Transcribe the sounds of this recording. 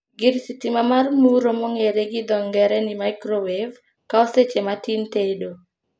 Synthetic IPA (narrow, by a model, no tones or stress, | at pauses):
ɡɪɾsitimamarmuɾomɔŋeɾeɡɪd̪ɔŋɡɛɾɛnimaɪkɾowev | kaoset͡ʃematintedo